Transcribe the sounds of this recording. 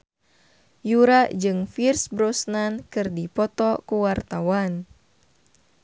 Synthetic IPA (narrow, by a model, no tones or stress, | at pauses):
juɾad͡ʒɨŋfirsbɾɔsnankɨrdipɔt̪ɔkuwart̪awan